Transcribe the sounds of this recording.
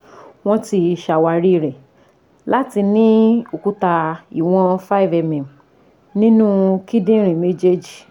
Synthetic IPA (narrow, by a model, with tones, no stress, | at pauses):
w̃ɔ̃˦ti˧i˧˨ʃa˨wa˧ɾi˦˧˨ɾɛ˨ | la˦ti˧nĩ˦o˨ku˦ta˧i˨w̃ɔ̃˧fa˦i˨vɛ˧mɛ̃˨m | nĩ˦nũ˦ki˦dĩ˦ɾ̃ĩ˨me˦d͡ʒe˦d͡ʒi˨